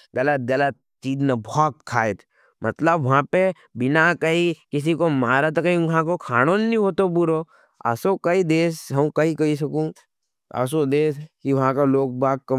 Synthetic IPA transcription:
ɡɐlət̪̚ɡɐlət̪̚t͡ʃiːd͡ʒ̪nabɔːt̪̚kʰaːet̪ʰ | mɐt̪ləbʋɐɦãpe | bɪnakɐɦikɪs̬ikomaːɾat̪akɐĩʋɐɦãkokʰaːɽ̃onnĩɦoːt̪obʊɾo | a̰ːsokɐid̪eːsɦɐm̃kɐɦikɐis̬ɐkũ | a̰ːsod̪eːskiʋɐɦãkaloːk̚baːk̚kːɐ

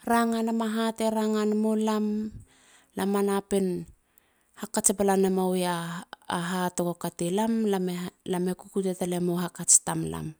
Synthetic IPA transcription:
ɾaŋanamaɦateɾaŋanamolam | lamanapen | hakat͡ʃepalanamawjaː | ɦatokokatelamlamelamekukutetalemoɦakat͡ʃtamla̰m

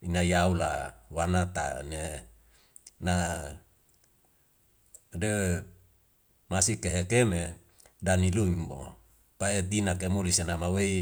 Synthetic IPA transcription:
inajaulawanat̪a̰ne | na | de | masikeɦekeme | daniluimbo̰ | paet̪inakemulisenamawei

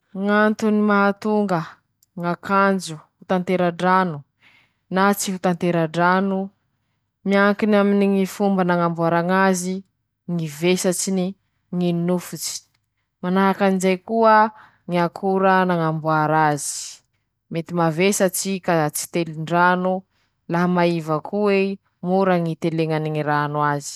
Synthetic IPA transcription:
ŋant̪unimaɦat̪uŋɡə | ŋakand͡ʒuhut̪ant̪eɾaɖ͡ʐanu | nat͡siɦut̪ant̪eɾaɖ͡ʐanu | miaŋkinaminiŋifumbənaŋambuaɾaŋazi | ŋivesat͡ʃini | ŋinufut͡ʃi̥ | manaɦakanizajkuə | ŋiakʰuɾənaŋambuaɾazi̥ | met̪imavesat͡ʃikat͡si̥t̪eliɳɖ͡ʐanu | laɦamaivakʰue | muɾəŋit̪eleŋaniŋiɾanuazi̥

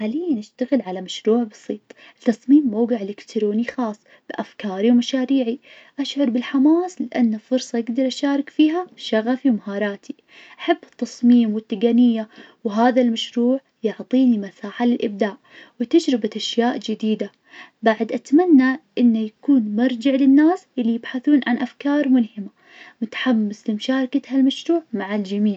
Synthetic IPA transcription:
ħaːlɪjːanʔaʃt̪aɣɪlʕalamaʃɾuːʕbɑ̥sˤiːt̪ˤ | ɪt̪ːɑsˤmiːmːowɡɪʕlɪkt̪ɾoːnixɑːsˤː | b̥ɪʔafkɑːɾiwmaʃaːɾiːʕi | ʔaʃʕʊɾˤbɪlħamaːslɪʔanːalfʊɾsˤɑjɪɡd̪ɑɾˤʔaʃaːɾˤɑkfiːɦaʃaɣafiwmaɦɑːɾˤɑːt̪i | ʔaħabːɪt̪ːɑsˤmiːmwɪt̪ːɪɡanɪjːawɪɦaːðalmaʃɾuːʕ | jʊʕt̪ˤiːnimasaːħalɪlʔɪb̚d̪aːʔ | wɪt̪ad͡ʒɾɪbat̪ʔaʃjaːʔd͡ʒɪd̪iːd̪a | baʕd̪ʔat̪manːaʔɪnːajakuːnmɑɾˤd͡ʒɪʕlɪnːaːsʔɪlːijɪbħaθuːnʕanʔafkɑːɾˤmʊlhɪma | mʊt̪ḁħamːɪslɪmʃaːɾˤkat̪halmaʃɾuːʕmaʕald͡ʒamiːʕ

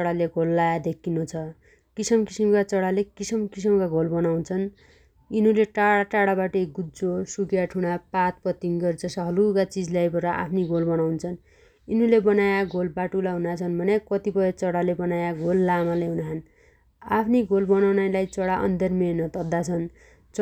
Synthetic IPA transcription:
ʌɽaleɡʱolːajad̪ekʰːinot͡sʰʌ | kisʌmkisimkat͡sʌɽalekisʌmkis̬ʌmkaɡʱolbʌnawnt͡sʰʌn | inuleʈaɽaʈaɽabaʈʌɡud͡zosuɡjaʈʰuɽ̃apat̪pʌt̪iŋɡʌrd͡zʌsʌɦʌlukat͡sid͡zlajbʌɾʌʔa̰pʰniɡʱolbʌnawnt͡sʰʌn | inulebʌnajaɡʱolbaʈulaɦunat͡sʰʌnbʱʌnekʌt̪ipʌet͡sʌɽalebʌnajaɡʱolːamaleɦunaɦʌn | apʰniɡʱolbʌnawnajlajt͡sʌɽaʔʌ̰nd̪ʱʌrmenʌt̪ʌd̪ːat͡sʰʌn | t͡s

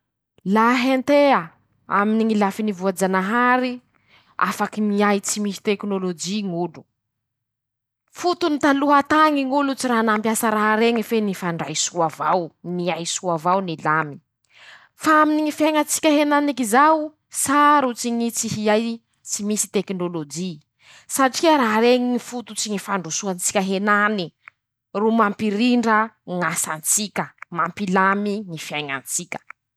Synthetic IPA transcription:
laɦent̪eə | a̰miniŋilafinivuad͡ʒanaɦaɾi | a̰fakimiajt͡simisi̥t̪eknolod͡ʒiŋulu̥ | fut̪unit̪aluɦat̪aŋiŋulut͡siɾanampjasaɾaɦaɾeŋəfenifaɳɖ͡ʐa̰jsuavawniajsuavawnilami̥ | faaminiŋifjajŋant͡si̥kʲəɦenanikizaw | saɾut͡siɲit͡siɦiaj | t͡simisi̥t̪eknolod͡ʒi | saʈ͡ʂikeɾaɦaɾeŋiifut̪ut͡siɲifaɳɖ͡ʐusuant͡si̥kʲaɦenani | rumampiɾiɳɖ͡ʐəŋasant͡sikʲəmampilamiŋifjajŋa̰nt͡sikʲə̥

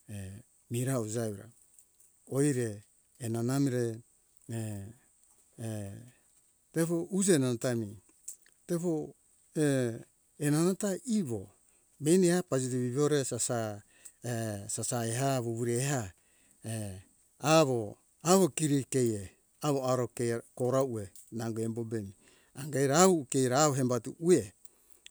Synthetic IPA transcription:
e | miɾaud͡ʒauɾa̰ | ojɾe̞ː | nanamiɾe | tepoʔud͡ʒenanatami | tepo | e | enanataʔiβo̞ | mejnehapad͡ʒitiβiβoɾesasa | esasaeɦaβoβuɾeɦa | e | aβo | aβo̞kiɾike̞je | aβoaɾokekoɾaue̞ | naŋɡoembo̞be̞mi | aŋɡajɾaaukejɾaoɦembatuʔue̞

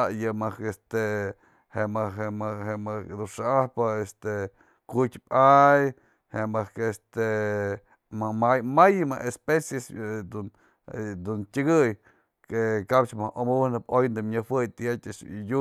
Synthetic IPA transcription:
ajɨmakest̪e | hemaemhemɨd̪uʂaʔahpaest̪e | kutʲpaj | hemɨkest̪e | mamajmajɨma̰ʔespesjesd̪un | d̪untʲɨɡɨj | kekapt͡ʃmahʔomunɨpojnd̪ɨmɲɨhwɨjt̪ɨjatʲɨʂju

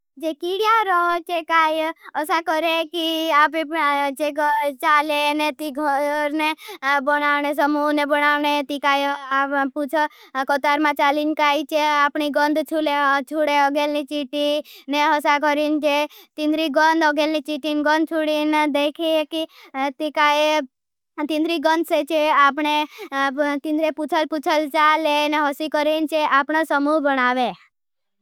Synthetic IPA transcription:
d͡ʒekiɽjaɾɔt͡ʃekaːjəsakɔɾekiaːpit͡ʃet͡ʃalenet̪iɡʱɔɾnebɔnaːʋnes̬əmunebənaːʋnet̪ikaːjaput͡ʃʰɔkɔt̪aɾmãt͡ʃaːlinkaːit͡ʃeapɳiɡə̃nd̪t͡ʃʰulet͡ʃʰuɽeɔɡelnit͡ʃiʈineɦəsakəɾint͡ʃʰet̪ĩnd̪ɾiɡənd̪əɡelnit͡ʃiʈinɡə̃nd̪̚ʱt͡ʃʰuɽind̪ekʰiekit̪ikae | t̪ĩnd̪ɾiɡənd̪set͡ʃʰeapɳe | t̪ĩnd̪ɾeput͡ʃʰəlput͡ʃʰəlt͡ʃaleneɦəsikəɾint͡ʃʰeʔapɳ̃osəmuɦbəɽaʋe

